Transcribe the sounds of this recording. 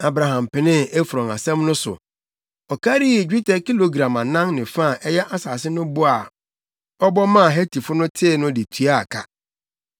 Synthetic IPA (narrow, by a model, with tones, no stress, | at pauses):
a˨bɾa˨ɦã˨m˨pɪ˨nɪ̃˦e˦fu˨ɾɔ̃˨ŋa˨sɛ̃˦mnʊ̃˦sʊ̰˨ | ɔ˨kʰa˦ɾi˦˨d͡ʑᶣi˦tʰɛ˨ki˦lo˨ɡɾã˨mã˨nã˦ŋnɪ̃˨fa˦˨ʔɛ˦jɛ˦ʔa˦saː˨sɪ˦nʊ̃˦bʊ˦a˨ | ɔ˦bɔ˦mã˦˨ɦɛ˦tʰi˨fʊ˦nʊ̃˦tʰɪ˦˨nʊ̃˦dɪ˨tʰu˦a˦a˨kʰa˦